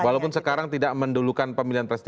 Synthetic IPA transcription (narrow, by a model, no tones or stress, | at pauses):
walawpʊnsəkaɾaŋt̪idaʔməndulukanpəmiliɦanpɾɛst̪